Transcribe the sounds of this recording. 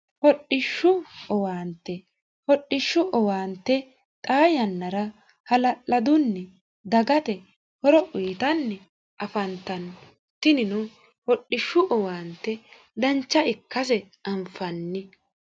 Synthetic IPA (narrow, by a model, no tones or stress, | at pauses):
hɔɗːɪʃːʊɔwaːnt̪ːɛ | hɔɗːɪʃːʊʔɔwaːnt̪ːɛ | t̪ʼaːjɐnːɐɾɐ | hɐlɐʔːɐd̪ʊnːɛ | d̪ɐɡɐt̪ɛ | hɔɾɔʔʊːt̪ɐnːɛ | ɐfɐnt̪ɐn | t̪ɪnɪnɔ | hɔɗːɪʃːʊʔɔwaːnt̪ːɛ | d̪ɐnt͡ʃːɐɪkːɐsɛ | ɐmfɐnːɪ